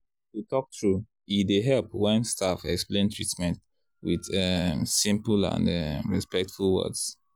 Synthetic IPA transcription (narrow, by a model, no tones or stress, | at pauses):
tutʰɔk̚tɹu | ideɦɛlˠpwɛ̃nstʰafɛ̰ksplẽntʰɹitmɛ̃nt | wið̥ɛsĩmpəlã̰ndɛmɹispɛk̚tfulˠwɜ̰dz̥